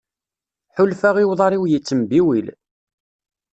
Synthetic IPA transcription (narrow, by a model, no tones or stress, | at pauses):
ħʊlfaʁiwðˤɑɾˤiwjit͡sːəmbiwil